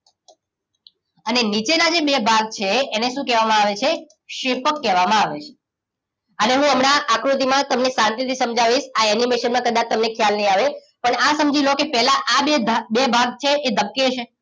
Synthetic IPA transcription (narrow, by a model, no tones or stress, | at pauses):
ənenit͡ʃenad͡ʒebebʱaɡ̚t͡ʃʰeːneʃũkɛʋamãaʋet͡ʃʰe | ʃeɾpəkːɛʋamãaʋet͡ʃʰe̥ | əneɦũəmɳaʔːkɾut̪̬imãt̪əmnesãnt̪it̪ʰisəmd͡ʒaʋiʃaɛnimeʃənmãkəd̪at͡ʃt̪əmnekʰjalnəɦĩaʋe | pəɳasəmd͡ʒilokepɛɦlaʔabebebʱaɡ̚t͡ʃʰeʔed̪ʱəb̚ket͡ʃʰe